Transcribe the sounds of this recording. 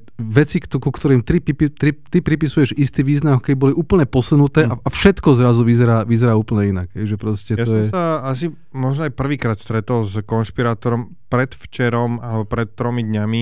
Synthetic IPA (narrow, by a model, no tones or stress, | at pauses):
ʋɛt͡sik̪kukt̪ɔɾiːmt̪ɾipipit̪ɾit̪ipɾipisujɛʒist̪iːʋiːznamɔkɛbibɔliʔuːpl̩ɲɛpɔsunut̪ɛːaafʃɛt̪kɔzɾazuʋizɛɾaːʋizɛɾaːuːpl̩ɲɛinaɡ̥ɦɛɪʒɛpɾɔscɛtjaɔjɛsaasi | mɔʒnɔajpr̩ʋiːkɾaːt̪st̪ɾɛt̪ɔlzkɔnʃpiɾaːt̪ɔɾɔm | pɾɛt̪ft͡ʃɛɾɔmalɛbɔpɾɛt̪ːɾɔmid̪ɲami